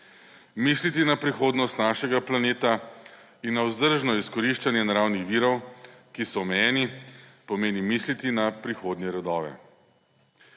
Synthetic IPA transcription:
miːslit̪inapɾixoːd̪nɔst̪naʃɛɡaplaneːt̪a | inːawzd̪əɾʒnɔiskɔɾiʃt͡ʃanjɛnaɾaːwnixʋiːɾɔwkisɔɔmɛjɛːnipɔmeːnimiːslit̪inapɾixoːd̪njɛɾɔd̪ɔːʋɛ̰

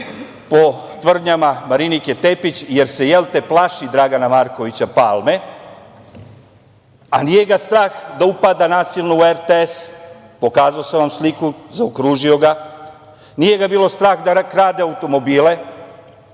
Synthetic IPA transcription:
po̞t̪ʋr̩d̪ɲamamaɾinikje̞t̪e̞pit͡ɕje̞ɾse̞je̞lˠt̪e̞plˠaʃid̪ɾaɡanamaɾko̞ʋit͡ɕapaːlme̞ | anije̞ɡast̪ɾaːxd̪aupad̪anaːsilˠnoueɾt̪ees | po̞kaːzaoseʋamslikuzaokɾuːʒio̞ɡa | nije̞ɡabiːlo̞st̪ɾaːxd̪akɾaːd̪eaut̪o̞mo̞biːle̞

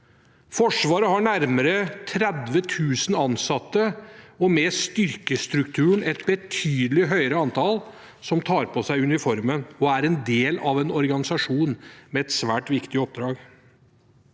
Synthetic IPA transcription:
fɔʂʋɑːɾəɦɑɳæɾməɾət̪ʰɾɛd̪ʋət̪ʰʉːsn̩ɑnsɑt̪ːəɔmɛst̪ʏɾkəst̪ɾʉkt̪ʰʉːəɳ̩ɛt̪bət̪ʰyːd̪əlɪɦœʏəɾəɑnt̪ʰɑl | sɔmt̪ʰɑːɾpʰɔsæɪʉnɪfɔɾmənɔæɾɛnd̪eːlɑʋɛnɔɾɡɑnɪsɑʂuːnmɛɛt̪sʋæːʈʋɪkt̪ɪɔp̚d̪ɾɑːɡ

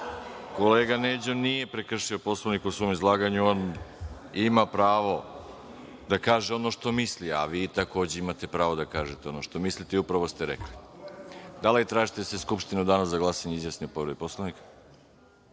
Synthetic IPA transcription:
ko̞leːɡaned͡ʑonije̞pɾe̞kr̩ʃio̞po̞sloʋnikusʋo̞ːmizlˠaːɡaɲuon | imapɾaːʋo̞ | d̪akaːʒeo̞no̞ʃt̪o̞mislia̰ʋiːt̪ako̞ːd͡ʑeimat̪e̞pɾaːʋo̞d̪akaːʒet̪eonoʃt̪o̞mislit̪eiupɾaʋost̪e̞ɾḛkli | d̪alit̪ɾaːʒit̪eseskupʃt̪inud̪anaszaɡlˠasaɲeizjasniupo̞ʋɾed̪ipo̞slˠoʋnikḁ

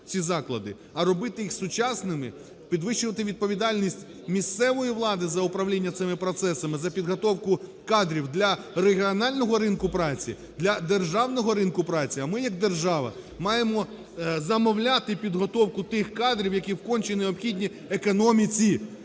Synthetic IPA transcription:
t͡sʲizɑklˠɐ̰d̪ɪ | ɐɾɔbɪt̪ɪjixsʊt͡ʃɑsnɪmɪ | pʲid̪ʋɪʃʊʋɐt̪ɪʋʲid̪̚pɔʋʲid̪ɑlʲnʲisʲtʲ | mʲist̪sɛʋɔjiʋlˠɑd̪ɪzɐʊpɾɐwlʲinʲːɐt̪sɪmɪpɾɔt̪sɛsɐmɪzɐpʲid̪ɦɔt̪ɔwkʊ | kɑd̪ɾʲiwd̪lʲɐɾeɦʲiɔnɑlʲnɔɦɔɾɪnkʊpɾɑt͡sʲḭ | d̪lʲɐd̪erʒɑwnɔɦɔɾɪnkʊpɾɑt͡sʲiɐmɪjɐɡ̚d̪erʒɑʋɐ̰ | mɑjemɔ | zɐmɔwlʲat̪ɪpʲid̪ɦɔt̪ɔwkʊt̪ɪxkɑd̪ɾʲiwjɐkʲiwkɔnʲt͡ʃɪneɔbxʲidʲnʲi | ekɔnɔmʲit͡sʲi

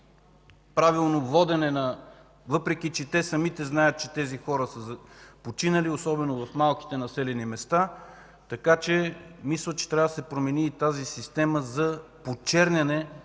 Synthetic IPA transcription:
pɾavilˠnovɔd̪ɛnɛnɐ | vɤpɾɛk̟it͡ʃɛt̪ɛsɐmit̪ɛznajət̪̚t͡ʃɛt̪ɛzixɔɾəsəzɐpot͡ʃinəliosɔbɛnovɐfmalˠki̥t̪ɛnɐsɛlɛnimɛst̪a | t̪ɐkat͡ʃɛmislˠət͡ʃɛ̥t̪ɾʲavəd̪ɐsɛpɾomɛniːt̪azisist̪ɛməzɐpot͡ʃɛɾnʲɐnɛ

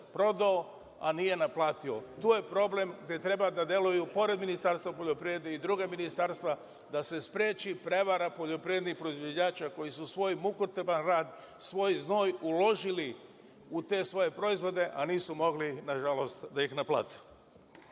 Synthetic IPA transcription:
pɾo̞d̪ao | a̰nije̞naplaːt̪io̞t̪uːje̞pɾo̞ble̞mɡd̪e̞t̪ɾe̞bad̪ad̪je̞lujupo̞ɾe̞d̪minist̪aɾst̪vapo̞ʎopɾied̪eid̪ɾuːɡaminist̪aɾst̪ʋa | d̪ase̞spɾjeːt͡ʃipɾe̞ʋaɾapo̞ʎo̞pɾijed̪nixpɾo̞izʋod͡ʑaːt͡ʃako̞jisusʋo̞jmukut̪ebanɾaːd̪ | sʋo̞jznoːjulo̞ʒili | ut̪e̞sʋo̞je̞pɾo̞izʋo̞d̪e̞ʔaniːsumo̞ɡlinaʒalo̞st̪d̪aixnaplˠa̰ːt̪ʰe̥

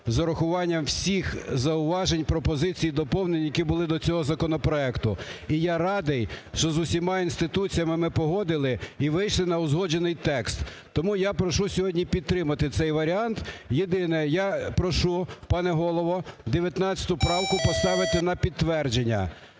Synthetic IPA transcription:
zɐɾɐxʊʋɑnʲːɐmwsʲixzɐʊʋɑʒenʲpɾɔpɔzɪt͡sʲijid̪ɔpɔwnenʲijɐkʲibʊlˠɪd̪ɔt͡sʲɔɦɔzɐkɔnɔpɾɔɛkt̪ʊijaɾɑd̪ɪjʃt͡ʃɔzʊsʲimɑinst̪ɪt̪ut͡sʲijɐmɪmɪpɔɦɔd̪ɪlˠɪiʋɪjʃlˠɪnɐʊzɦɔd͡ʒenɪjt̪ɛkst̪ː | ɔmujapɾɔʃusʲɔɦɔdʲnʲipʲid̪̚t̪ɾɪmɐt̪ɪt̪sɛjʋɐɾʲɑnt̪jed̪ɪnɛjapɾɔʃupɑnɛɦɔlˠɔʋɔd̪eʋʲjɐt̪nɑt͡sʲɐ̥t̪ʊpɾɑwkʊpɔst̪ɑʋɪt̪ɪnɐpʲid̪̚t̪ːʋɛrd͡ʒenʲːɐ̰

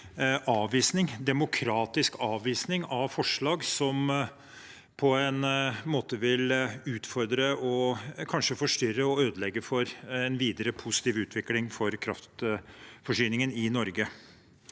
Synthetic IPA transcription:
ʔɑːʋʋiːsnɪŋd̪ɛmʊkʰɾɑːt̪ɪskʰɑːʋʋiːsnɪŋɑʋfɔʂɭɑːɡsɔm | pʰɔɛnmoːt̪əʋɪlʉːt̪fɔɾd̪ɾəʔɔkʰɑnʂəfɔʂʈʏɾːəɔøːd̪əlɛɡːəfɔɾɛnʋiːd̪əɾəpʰʊsɪ̥t̪iːʋʉːt̪ʰʋɪklɪŋfɔɾkʰɾɑ̰ft̪fɔʂyːnɪŋənɪnɔɾɡə

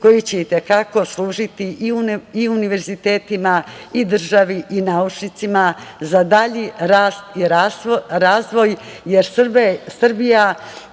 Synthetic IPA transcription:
ko̞jit͡ɕeit̪e̞kako̞slˠuːʒit̪iʔiuiuniʋe̞ɾzit̪e̞ːt̪imaid̪r̩ʒaʋiʔinaut͡ʂnit̪simazad̪aʎiɾaːst̪iɾasɾaːzʋo̞jjeɾsbsr̩bija

